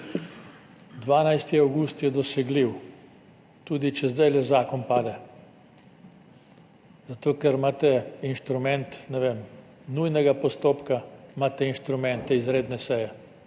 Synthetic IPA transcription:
d̪ʋaːnajst̪iawɡust̪jɛd̪ɔsɛɡliw | t̪uːd̪it͡ʃɛzd̪ajlɛzaːkɔnpaːd̪ɛ | zat̪oːkɛɾmaːt̪ɛinʃt̪ɾumɛnt̪nɛʋem | nujnɛɡapɔst̪oːpkamaːt̪ɛinʃt̪ɾumɛnt̪ɛizɾeːd̪nɛsɛjɛ

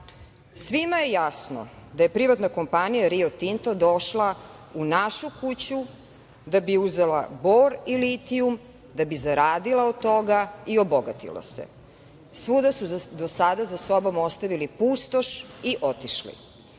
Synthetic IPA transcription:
sʋimaje̞jasno̰d̪aje̞pɾiʋat̪nako̞mpanijaɾiot̪int̪od̪oʃla | unaʃukut͡ɕu | d̪abiuzela̰bo̞ːɾilit̪ium | d̪abizaɾaːd̪ilˠaot̪o̞ɡaioboɡat̪ḭla̰sḛ | sʋud̪asud̪osad̪azaso̞bomost̪aʋilipust̪o̞ʃiʔot̪iʃlḭ

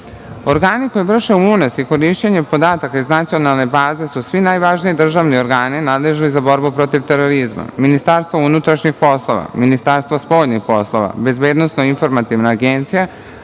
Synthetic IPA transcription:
o̞ɾɡaːniko̞jiʋr̩ʃeuunosiko̞ɾiʃt͡ɕeɲepo̞d̪aːt̪akaiznat̪sio̞nalˠne̞baːze̞susʋinajʋaʒnijid̪r̩ʒaʋnio̞ɾɡaːninaːd̪leʒnizabo̞ɾbupɾo̞t̪iʋt̪eɾo̞ɾizma̰minist̪aɾst̪ʋounut̪ɾaʃɲixpo̞slˠo̞ʋa̰minist̪aːɾst̪ʋaspo̞ʎɲixpo̞slˠo̞ʋa̰be̞zbe̞ːd̪nosnoinfo̞ɾmat̪iʋnaːɡent̪sija

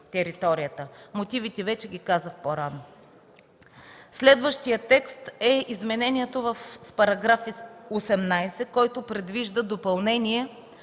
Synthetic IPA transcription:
t̪ɛɾit̪ɔɾijət̪əmot̪ivit̪ɛvɛt͡ʃɛɡ̟ʲikazət̪poɾano | slɛd̪vəʃt̪ijət̪ːɛkst̪ɛizmɛnɛnʲiɛt̪ovəfspɐɾɐɡɾafiosɛmnajsɛkɔjt̪ʊpɾɛd̪viʒd̪əd̪opɐlˠnɛniɛ

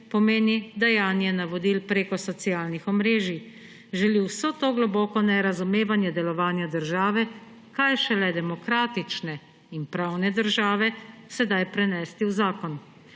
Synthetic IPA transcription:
pɔmeːnid̪ajaːnjɛnaʋɔd̪ilpɾeːkɔsɔt̪siaːlnixɔmɾeːʒi | ʒɛliwsot̪oːɡlɔbɔːkɔnɛɾazumeːʋanjɛd̪ɛlɔʋaːnjad̪əɾʒaːʋɛ | kajʃɛlɛd̪ɛmɔkɾaːt̪it͡ʃnɛ | inpɾaːwnɛd̪əɾʒaːʋɛsɛd̪ajpɾɛnɛːst̪iwzaːkɔn

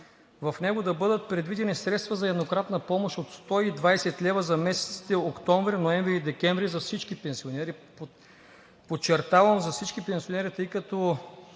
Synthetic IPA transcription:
vɐfnɛɡod̪ɐbɤd̪ət̪̚pɾɛd̪vid̪ɛnisɾɛt̪st̪vɐzɐɛd̪nokɾat̪nɐpɔmoʃot̪st̪ɔid̪vajsɛt̪lʲɛvəzɐmɛsɛ̥t̪si̥t̪ɛokt̪ɔɱvɾinoɛɱvɾiːd̪ɛkʲɛɱvɾizɐfsit͡ʃkipɛnsionɛɾi | pot͡ʃɛɾt̪avɐmzɐfsit͡ʃkipɛnsionɛɾit̪ɤjkɐt̪o

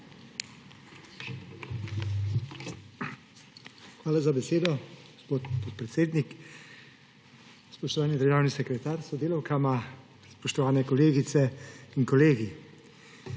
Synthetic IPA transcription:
xʋaːlazabɛseːd̪ɔ | ospot̪pot̪̚pɾɛt̪seːd̪nik | spɔʃt̪ɔʋaːnid̪əɾʒaːwnisɛkɾɛt̪aːɾsɔd̪eːlɔwkama | spɔʃt̪ɔʋaːnɛkɔleːɡit̪sɛiŋkɔleːɡi

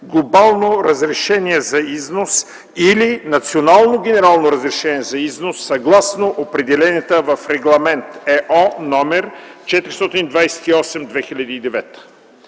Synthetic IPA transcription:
ɡlˠobalˠnoɾəzɾɛʃɛnʲiɛzɐiznos | ilinɐt̪sionalˠnoɡ̟ʲɛnɛɾalˠnoɾəzɾɛʃɛniɛzɐiznosːɐɡlˠasnoʔopɾɛd̪ɛlɛnʲiət̪əvɐfɾɛɡlˠɐmɛnt̪ɛʔɔnɔmɛɾt͡ʃɛt̪ɾist̪ɔt̪inid̪vajsɛ̥t̪iɔsɛmd̪vɛxilʲɐd̪iːd̪ɛvɛt̪ə̥

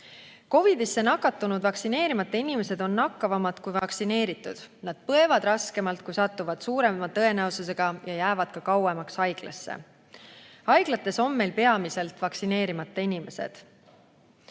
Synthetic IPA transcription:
ko̞vid̪̥isːe̞nɑkːˑɑt̪ːˑunud̪vɑksine̞ːɾimɑt̪ˑːeinime̞se̞d̪̥o̞nːɑkːɑvɑmɑd̪̥kujvɑksine̞ːɾit̪ːˑud̪̥nɑd̪̥̚pɤe̞vɑd̪̥rɑske̞mɑlt̪̚kujsɑt̪ːuvɑd̪̥suːɾe̞mɑt̪ɤe̞næosus̬e̞ɡ̥ɑjɑjæːvɑd̪̥̚kɑkɑwemɑksɑjɡ̥lɑ̰sːḛ | ɑjɡ̥lɑt̪ːˑe̞so̞mːe̞jlpe̞ɑmise̞lt̪vɑksine̞ːɾimɑt̪ːˑeinime̞se̞̰d̪̥

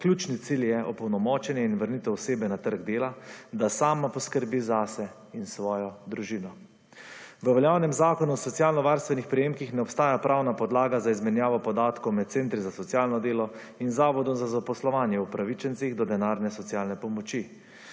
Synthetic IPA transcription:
klʲjuːt͡ʃnit̪siljɛʔɔpɔwnɔmɔːt͡ʃɛnjɛinʋəɾnit̪ɛwseːbɛnat̪əɾɡd̪eːlad̪asaːmapɔskəɾbizasɛ | insʋɔːjɔd̪ɾuʒinɔ | ʋəʋɛljaːwnɛmzaːkɔnuɔsɔt̪sjaːlnɔʋaːɾst̪ʋɛnixpɾɛjeːmkixnɛɔpst̪aːjapɾʔaːwnapɔd̪laːɡazaizmɛnjaːʋɔpɔd̪aːt̪kowmɛt̪̚t̪sent̪ɾizasɔt̪sjaːlnɔd̪eːlɔ | inzaːʋɔd̪ɔmzazapɔslɔʋaːnjɛupɾaʋit͡ʃɛnt̪siɣd̪ɔd̪ɛnaːɾnɛsɔt̪sjaːlnɛpɔmɔt͡ʃi

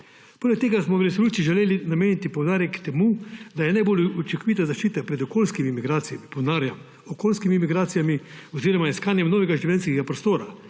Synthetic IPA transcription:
poːlɛk̚t̪eːɡasmɔwɾɛsoluːt͡ʃiʒɛleːlinameːnit̪ipowd̪aːɾjɛkt̪ɛmud̪ajɛnajboːlut͡ʃɛkɔʋit̪azaʃt͡ʃiːt̪apɾɛd̪ɔkoːlskimimiɡɾaːt̪sijamipɔwnaːɾjam | ɔkoːlskimimiɡɾaːt̪sijamiɔziɾɔmaiskaːnjɛmnɔːʋɛɡaʒiʋjɛnskɛɡapɾɔst̪oːɾa

